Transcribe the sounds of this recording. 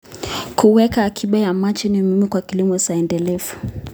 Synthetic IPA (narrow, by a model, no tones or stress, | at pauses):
kuwɛkaːkʰiɓajamat͡ʃɛnimimikwakilimɔsaɛndɛlɛfu̥